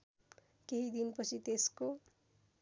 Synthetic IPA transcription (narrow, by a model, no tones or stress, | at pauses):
keɦid̪inpʌt͡sʰit̪esko